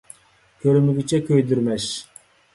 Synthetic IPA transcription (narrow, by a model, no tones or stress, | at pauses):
kʲʰøɾmyɡʲyt͡ʃʰɛkʲʰøjd̪yɾmɛʃ